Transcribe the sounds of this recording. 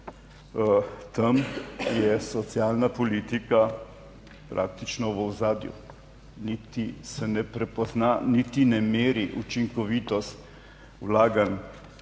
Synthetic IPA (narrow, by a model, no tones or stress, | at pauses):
t̪amjɛsɔt̪sjaːlnapɔliːt̪ika | pɾʔa̰ːk̚t̪it͡ʃnɔʋəwzaːd̪jṵ | nit̪isɛnɛpɾɛpɔznanit̪inɛmeːɾiʔut͡ʃiŋkɔʋiːt̪ɔst̪ | wlaːɡan